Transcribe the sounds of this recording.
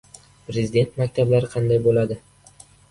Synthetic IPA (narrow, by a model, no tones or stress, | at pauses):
pɾezɪd̪e̞nt̪makʲt̪ʰablaɾɪqʰɑnd̪ajbolad̪ɪ